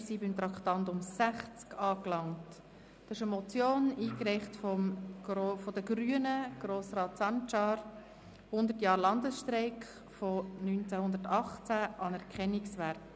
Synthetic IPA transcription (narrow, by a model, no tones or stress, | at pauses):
sibɪmt̪ɾɑktɑntʊmsæχt͡skɑːklɑŋt | d̥ɑɪʃəmɔt͡sjoːniːkɾɛɪχtfɔmofɔd̪əɡ̥ɾyːənəɡ̥ɾoːsrɑːtsɑnt͡ʃɑɾ | hʊnd̪ətjɑːɾlɑnd̪əsʃtɾɛɪkχ | fɔnynt͡sæhʊnd̪ətɑχt͡sæʔɑnɛɾkʰɛnːɪksʋæɾt